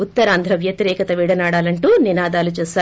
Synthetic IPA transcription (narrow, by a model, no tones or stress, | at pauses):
ut̪ːɐɾaːnd̪ʱɾɐʋjɐt̪iɾɛːkɐt̪ɐʋiːɽɐnaːɽaːlɐɳʈuːninaːd̪aːlut͡ʃɛːsaː